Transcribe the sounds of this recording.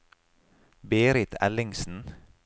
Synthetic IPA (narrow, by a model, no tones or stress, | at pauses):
beːɾɪt̪ʰɛ̰lɪŋsn̩